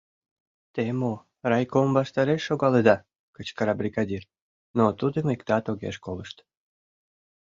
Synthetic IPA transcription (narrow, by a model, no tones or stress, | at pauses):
t̪emo | rɑjkombɑʃt̪ɑɾeʃːoɣɑled̪ɑ | kət͡ɕkəɾɑbrʲiɣɑd̪ʲir | not̪ud̪əmikt̪ɑt̪oɣḛʃkoləʃt̪